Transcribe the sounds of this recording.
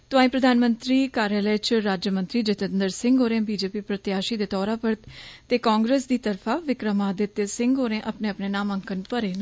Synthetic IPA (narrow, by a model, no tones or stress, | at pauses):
t̪ʊãːĩːpɾəd̪ʱaːnmə̃nt̪ɾiːkaːɾjaːləːt͡ʃɾaːd͡ʒjəmə̃nt̪ɾiːd͡ʒɪt̪ənd̪əɾsɪ̃ŋɡoːɾẽːbiːd͡ʒeːpiːpɾət̪ɪjaːʃiːd̪eːt̪ɔːɾãːpəɾt̪t̪eːkaːŋɡɾeːsd̪iːt̪əɾfʰaːʋɪkɾəmaːd̪ɪt̪ːesɪ̃ŋɡɦoːɾẽːʔəpneːəpneːnaːmə̃ŋkənpəɾeːn